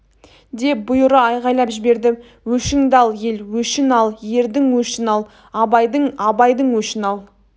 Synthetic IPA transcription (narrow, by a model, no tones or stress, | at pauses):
d̪e̞p̚bʊjʊɾəɑjʁɑjlˠɑpʒɪbe̞ɾd̪ɪ | wɵʃɪŋd̪ɑlˠje̞lwɵʃɪnɑlˠje̞ɾd̪ɪŋwɵʃɪnɑlˠ | ɑbɑjd̪əɴɑbɑjd̪əɴwɵʃɪnɑlˠ